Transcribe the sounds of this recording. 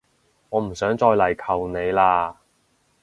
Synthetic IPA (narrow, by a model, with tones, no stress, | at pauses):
ŋɔː˨˧m̩˨˩sœː˨˥ŋt͡ʃɔː˧jlɐ˨˩jkʰɐ˨wne˨˧jlaː˧